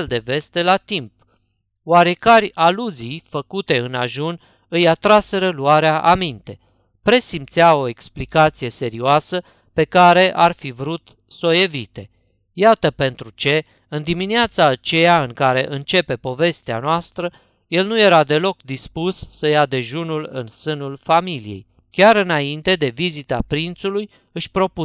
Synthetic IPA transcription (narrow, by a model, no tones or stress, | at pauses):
ld̪e̞ve̞st̪e̞lat̪imp̚ | waɾe̞karʲaluzijfəkut̪e̞ɨna̰ʒun | ɨjat̪ɾase̞ɾəluaɾeaʔamint̪e̞ | pɾe̞simpt̪sjao̞e̞ksplikat̪sije̞se̞ɾioasə | pe̞kaɾe̞ʔarfivɾut̪ | so̞je̞vit̪e̞ | jat̪əpe̞nt̪ɾut͡ʃe̞ | ɨnd̪imineat̪saːt͡ʃe̞jaɨŋkaɾe̞̰ʔɨnt͡ʃe̞pe̞po̞ve̞st̪ea̰noast̪ɾə | je̞lnuje̞ɾad̪e̞lo̞kd̪ispusːəjad̪e̞ʒunulɨ̰nsɨnulfamilije̞̰j | kʲaɾɨnaint̪e̞d̪e̞vizit̪apɾint̪suluj | ɨʃʲpɾo̞pu